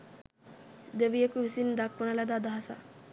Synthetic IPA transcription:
d̪eʋijekuʋisind̪akʋunəlad̪ad̪aɦasa̰

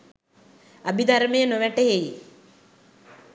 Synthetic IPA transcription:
abid̪ʱaɾəmejənoʋæʈəɦej

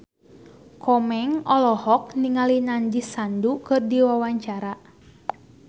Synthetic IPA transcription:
kʰɔmɛŋɔlɔhɔk̚niŋalinaɲd͡ʒisandukɨrdiwawaɲt͡ʃaɾa

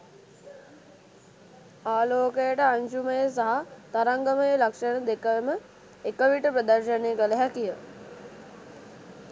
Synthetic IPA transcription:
aːloːkəjəʈəaɲʃuməjəs̬aɦat̪aɾaŋɡəməjəlakʂənəd̪ekəemə | ekəʋiʈəpɾəd̪aɾʃəneːɡələɦækijə

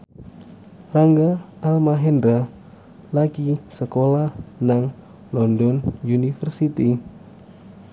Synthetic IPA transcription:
raŋɡa | almaɦɛndɾa | lakisəkolahnaŋ | lɔndɔnunifərsit̪i

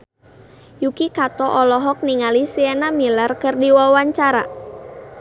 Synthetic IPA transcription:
jukikat̪ɔʔɔlɔɦɔk̚niŋalisiɛnamilarkərdiwawaɲt͡ʃaɾa

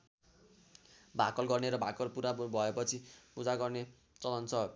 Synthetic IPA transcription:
bʱakʌlɡʌrneɾʌbʱakʌlpuɾabʱʌepʌt͡sʰipud͡zaɡʌrne | t͡sʌlʌnt͡sʰʌ

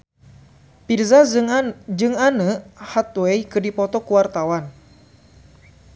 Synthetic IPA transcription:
pirza | d͡ʒɨŋanəhat̪̚wɛjkɨrdipɔt̪ɔkuwart̪awan

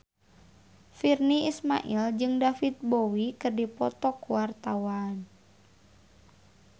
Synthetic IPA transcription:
firniisma̰ʔild͡ʒɨŋdafit̪̚bowikərdipɔt̪ɔkuwart̪awan

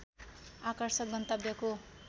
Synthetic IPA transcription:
akʌrsʌk̚ɡʌnt̪ʌbjʌko

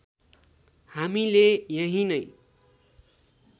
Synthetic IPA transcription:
hamilejʌɦĩnʌj

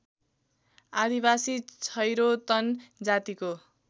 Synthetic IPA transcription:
ad̪ibasit͡sʰʌjɾot̪ʌnd͡zat̪iko

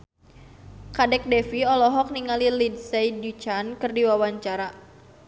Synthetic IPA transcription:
kadɛk̚dɛfiɔlɔɦɔk̚niŋalilidsajdut͡ʃankɨrdiwawaɲt͡ʃaɾa

